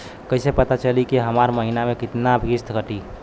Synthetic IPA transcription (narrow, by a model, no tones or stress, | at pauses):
kəɪsepət̪at͡ʃəlikiɦəmaɾməɦinamẽkɪt̪nabʱist̪ʰkəʈi